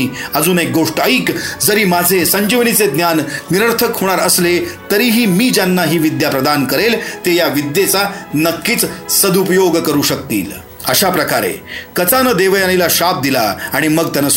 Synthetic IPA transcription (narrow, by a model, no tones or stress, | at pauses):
əd͡zuːnek̚ɡoʂʈaikd͡zəɾiːmad͡zʱesəɲd͡ʑiʋɽ̃it͡sed̪njanːiɾəɾt̪ʰəkɦoɽ̃aɾəslet̪əɾiːɦiːmiːd͡ʑjanːaɦiːʋid̪japɾəd̪ankəɾelt̪ejaʋid̪jet͡sanəkːit͡ssəd̪upjoɡkəɾuːɕəkt̪ḭːl | əɕapɾəkaɾḛkət͡sanəd̪eʋjanilaɕap̚d̪ilaaɽ̃iməɡt̪janəs